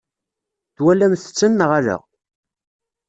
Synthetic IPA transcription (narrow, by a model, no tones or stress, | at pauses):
θwælæmθə̥t͡sːənːəʁalə̰ʁ